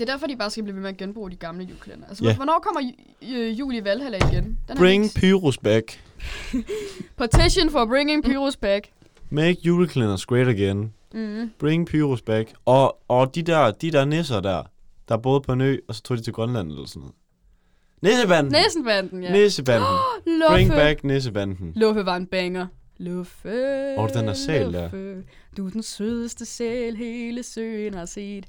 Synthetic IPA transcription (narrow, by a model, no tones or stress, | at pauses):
e̝ɐd̥æɐfɒd̥ib̥ɑ̈ːsɡ̥æbliːʋemeɐɡ̥enb̥ʁṵːd̥iɡ̥ɑ̈mləjulkʰlenɐælsəæʋɒnɒ̰ːkʰɒ̽m̰ɐ | jṵːliʋælhæl̰ɐiɡ̥end̥æb̥ʁeŋpʰyʁusb̥æɡ̥ | pʰɑ̈t͡sʰiɕonfɒ̽b̥ʁeŋeŋpʰyːʁusb̥æɡ̥ | meɡ̥juːləkʰlenɐsɡ̥ʁeɾəɡ̥en | b̥ʁeŋpʰyːʁusb̥æɡ̥ɒɒd̥id̥æɐd̥id̥ɛɐnesɐd̥æɐ̰ | d̥ɑ̈æɐb̥ɔ̽ːð̩ˠpʰɒ̽ny̰ːɒ̽sɒ̥t͡sʰo̝̰ːdit͡sʰe̝lɡ̥ʁɶnlæn̰̩eelɐsɔnɔ̰ːð̩ˠ | nesəb̥æn̰nesn̩b̥ænd̥n̩jnesəbænd̥n̩lʁeŋb̥æɡ̥nes̬əb̥ænd̥n̩lɔfəʋɑ̈enb̥eŋɐ | lɔfəɒdd̥enæɐsɛ̰ːld̥æɐ | d̥ud̥ensøðˠəsd̥əseːlɦe̝ːləsø̰ːnhɑse̝̰ːd̥